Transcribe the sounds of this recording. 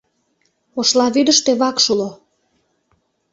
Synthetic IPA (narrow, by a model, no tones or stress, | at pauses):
oʃlɑβyd̪əʃt̪eβɑkʃulo